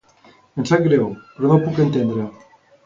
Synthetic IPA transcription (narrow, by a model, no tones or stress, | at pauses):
ensaŋɡɾewpeɾonopukent̪end̪ɾe